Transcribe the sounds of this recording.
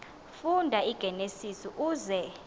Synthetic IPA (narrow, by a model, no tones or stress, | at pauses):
fundʱaiɡ̥ʱɛnesisiʔuːzɛ